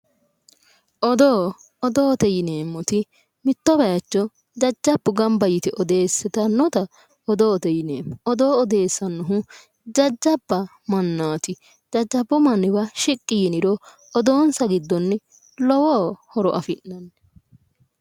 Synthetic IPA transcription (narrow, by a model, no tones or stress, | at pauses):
ʔɔd̪oː | ɔd̪oːt̪ɛjɪneːmːɔt̪ɪ | mɪt̪ːɔbɛjɐt͡ʃːɔ | d͡ʒɐd͡ʒːɐbːʊɡɐmbɐjɪt̪ɛʔɔd̪e̞ːsːɛt̪ɐnːɔt̪ɐ | ɔd̪oːt̪ɛjɪneːmɔd̪oːɔd̪e̞ːsːɐnːʊɦʊ | d͡ʒɐd͡ʒːɐbːɐ | mɐnːaːt̪ɪ | d͡ʒɐd͡ʒːɐbːʊmɐnːɪbɐʃɪkʼːɪjɪnɪɾɔ | ɔd̪oːnsɐɡɪd̪ːɔnːɛ | lɔwɔːhɔɾɔʔɐfɪʔnɐnːɛ